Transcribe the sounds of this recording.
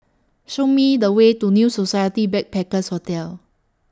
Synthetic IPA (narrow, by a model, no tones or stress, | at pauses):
ʃomidəwetunjusosajətibɛk̚pɛkəshotɛl